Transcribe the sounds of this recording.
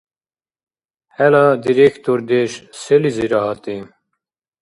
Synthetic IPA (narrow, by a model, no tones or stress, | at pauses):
hɛlad̪iɾekʰt̪oɾd̪eʃseliziɾɑɦɑt̪i